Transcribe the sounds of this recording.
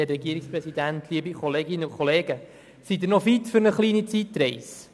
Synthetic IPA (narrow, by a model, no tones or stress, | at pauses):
ɛɾɛɡiəɾikspɾɛsid̪ænt̪ʰliəbikʰɔleːɡɪnːəʊkʰɔleːɡə | sid̪ɪnɔfitfʏɾnəχliːnit͡sit̪ːɾɛɪs